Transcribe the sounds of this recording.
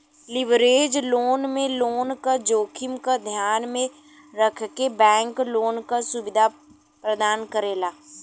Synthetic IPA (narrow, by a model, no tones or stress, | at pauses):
lɪʋɾeːd͡ʒloːnmẽloːnkad͡ʒoːkʰɪmkad̪ʱjaːnmẽ | ɾəkʰkebɛ̃ːŋkloːnkasʊʋɪd̪ʱa | pɾəd̪aːnkəɾeːlaː